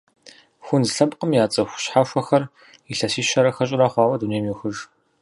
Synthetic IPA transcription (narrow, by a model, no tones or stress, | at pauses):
xʷʊnzɬɐpʼqʼəmjaːt͡sʼɐxʷɕħaʃʷɐxɐr | iɬɐsiːʃɐɾɐxɐɕ̬ʼɪɾaːχʷɑːwɐduneːmjuxɨʒ